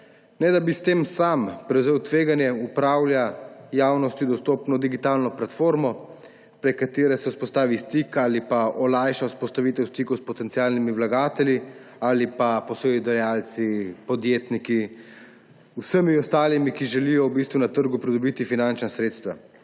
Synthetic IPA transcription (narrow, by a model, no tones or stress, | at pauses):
nɛd̪abist̪eːmsampɾɛwzeːwt̪ʋeːɡanjɛupɾaːwlʲjajaːwnɔst̪id̪ɔst̪oːpnɔd̪iɡit̪aːlnɔplat̪foːɾmɔ | pɾɛkat̪eːɾɛsɛuspɔst̪aːʋist̪ikalipaʔɔlajʃawuspɔst̪aʋit̪ɛwst̪ikɔwspɔt̪ɛnt̪iaːlnimiwlaɡaːt̪ɛljiaːlipapɔsɔjid̪ɛjaːlt̪sipɔd̪jeːt̪niki | usəmiɔst̪aːlimikiʒɛlijɔwbist̪ʋunat̪əɾɡupɾid̪ɔbiːt̪ifinant͡ʃnasɾeːt̪st̪ʋa